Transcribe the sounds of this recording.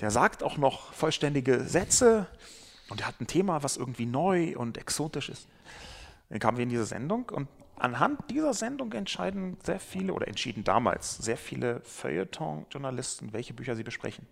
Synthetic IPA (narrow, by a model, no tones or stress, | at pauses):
d̥eːɐzaːktaʊxnɔχfɔlʃtɛndɪɡəzɛt͡sə | ʔʊntdeːɐhatn̩tʰeːmavasʔɪɐɡŋ̩tv̥iːnɔʏʔʊ̰ntɛksoːtɪʃɪ̰st | enkʰaːmnviːɐɪndiːzɐzɛ̰ndʊŋkʊ̰nt | ʔa̰nɦant̚d̥iːzɐzɛndʊŋkɛntʃaɪdn̩z̥eːɐfiːləʔo̰ːɾɐ̰ʔɛ̰ntʃiːdn̩da̰ːma̰ːlsz̥eːɐfiːlʔəfœ̰ʏə̰tʰɔ̰ŋʒʊɐnalɪstn̩vɛlçəbyːçɐziːbəʃpʁ̥ɛ̰çn̩